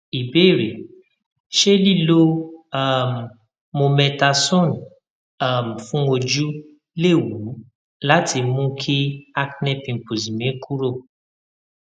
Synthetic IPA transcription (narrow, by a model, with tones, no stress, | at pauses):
i˨be˦˨ɾe˨ | ʃe˦li˦˨lo˦a˦˨mː˨ | o˧mɛ̃˧ta˧sɔ̃˦˨n | a˦˨m̩˨fũ˦o˧d͡ʒu˦ | le˦˨wu˨˦ | la˦tʰi˧mũ˦kʰi˦a˧knɛ˦pĩ˧˨pu˨zi˨mẽ˨˦kʰu˦ɾo˦˨